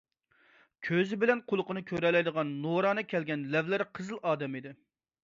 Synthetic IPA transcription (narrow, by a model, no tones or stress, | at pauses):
kʲʰøzɪbɪlɛnqʰʊlˠʊqənɨkʲʰøɾɛlɛjd̪əʁɑnːoɾɑːnɨkʲʰɛlɡʲɛnlɛvlæɾqʰəzɨlˠɑːd̪ɛmid̪ɪ